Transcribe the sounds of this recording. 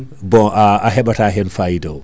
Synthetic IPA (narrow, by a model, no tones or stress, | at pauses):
bɔʔaaɦɛɓataɦɛnfajdɔw